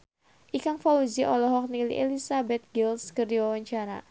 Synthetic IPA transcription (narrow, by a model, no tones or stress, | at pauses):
ʔikaŋfauziʔɔlɔɦɔk̚nilḭʔelisabɛt̪̚ɡilskərdiwawaɲt͡ʃaɾa̰